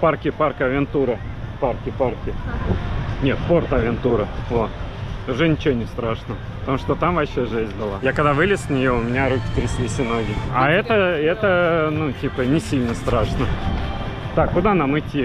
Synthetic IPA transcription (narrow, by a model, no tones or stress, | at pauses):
parkʲɪparkəɐvʲɪnt̪uɾəparkʲɪparkʲɪ | nʲe̞t̪po̞rt̪ɐvʲɪnt̪uɾəvot̪ | ʊʐɛnʲɪt͡ɕɪonʲɪst̪ɾaʂnəəpət̪ɐmuʂt̪ot̪amvɐɕːeʐɛzʲnʲbɨlˠajakɐɡd̪avɨlʲɪssʲnʲɪjoʊmʲɪnʲaɾukʲɪ̥t̪ɾʲɪsʲlʲisʲɪnoɡʲɪɐɛt̪əɛt̪ənutʲipənʲɪsʲilʲnəst̪ɾaʂnə | t̪akːʊd̪anamɨtʲːi